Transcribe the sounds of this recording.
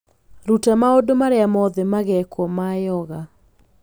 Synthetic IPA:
ɾutamaodomaɾeamɔðɛmaɣɛkwɔmajɔɣa

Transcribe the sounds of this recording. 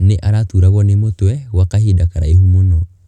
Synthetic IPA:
neʔaɾatuɾaɣwɔnemotwɛwakahidakaɾaehumunɔ

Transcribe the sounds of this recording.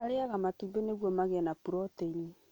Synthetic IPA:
aɾeaɣamatumbeneɣwɔmaɣɛnapuɾɔteini

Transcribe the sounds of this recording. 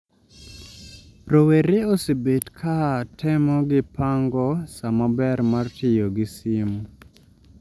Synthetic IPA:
roweɾeosebetkʰatʰɛmɔɡɪpaŋɡɔsamabɛrmartɪjoɡɪsɪm

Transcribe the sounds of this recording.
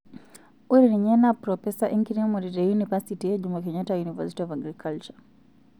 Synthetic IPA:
uɾiɾiɲɛnapɾɔfɛsaʔiŋkiɾimɔɾiɾɛjunipasitiɛd͡ʒumakɛɲatajunivasi̥tiɔvaɡɾikʰalt͡ʃa

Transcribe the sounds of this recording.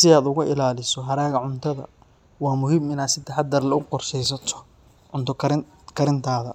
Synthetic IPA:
sɪaːd̪ʊɣʊʔɪlaːlɪsɔɦɐɾaːɣɐʕʊnt̪ʰɐðɐ̰ | wɑːmʊhiːmɪnaːd̪sɪd̪ɛħɑd̪ɐrlɐʊqɔrʃɛjsɐt̪ʰɔ̥ | ʕʊnt̪ʰɔkʰɐɾ | kʰɐɾɪnt̪ʰaːðɐ̰

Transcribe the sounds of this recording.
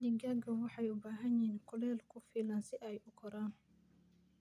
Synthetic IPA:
dɪɡaɡɐwɑħɑjʊbaːɦɐnjiːnkʰʊlɛːlkʰʊfiːlaːnsɪʔɛjʔʊkʰɔɾaːn

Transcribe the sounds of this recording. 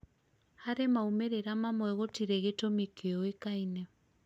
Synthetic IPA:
haɾemaumeɾeɾamamwɛɣotiɾɛɣetomikʰeɔekainɛ

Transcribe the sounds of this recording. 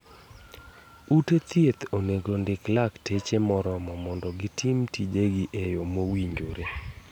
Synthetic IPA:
utet̪jet̪oneɡondɪklaktet͡ʃemɔɾɔmɔmɔndɔɡɪtʰɪmtid͡ʒeɡɪʔejomowiɲd͡ʒoɾe

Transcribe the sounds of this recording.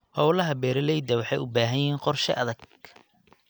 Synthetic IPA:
hɔwlɐɦɐbɛːɾɐlɛjd̪ɐwɑħɑjʊbaːɦɐjɛːŋqɔrʃɛ̰ʔɐðɐɡ̚

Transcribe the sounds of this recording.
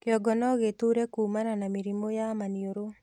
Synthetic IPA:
kɪɔɡɔnɔɡet̪uɾekumananamiɾimojamanjoɾo

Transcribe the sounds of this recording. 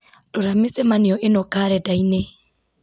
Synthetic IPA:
doɾamesɛmaneɔʔenɔkaɾɛdaine

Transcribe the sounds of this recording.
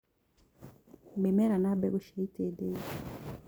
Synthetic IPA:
bemeɾanabḛɡuʃaitede

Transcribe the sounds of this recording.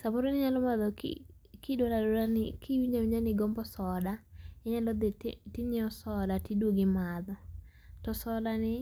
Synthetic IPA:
saboɾonɪɲalɔmaðɔkkɪdwoladolanɪkiwiɲd͡ʒawiɲd͡ʒanɪɡɔmbɔsɔdaɛɲalɔd̪ɪtɪɲɪɔsɔlatidwoɡɪmad̪ɔ | tɔsɔlanɪ

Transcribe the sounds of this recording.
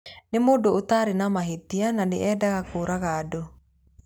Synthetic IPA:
nemoːdoːtaɾenamaɦetiananḛʔɛːdaɣakoːɾaɣaːdo

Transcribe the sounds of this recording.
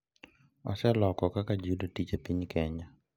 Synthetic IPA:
ɔsɛlɔkɔkakad͡ʒudotit͡ʃapiɲkɛɲa

